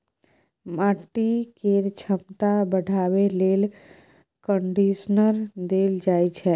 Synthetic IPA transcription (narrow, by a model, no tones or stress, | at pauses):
maːʈːikeːɾt͡ʃʰəmt̪abəɽʱaːweleːl | kə̃ɳɖiːʃnəɾd̪eːld͡ʒaːit͡ʃʰɛː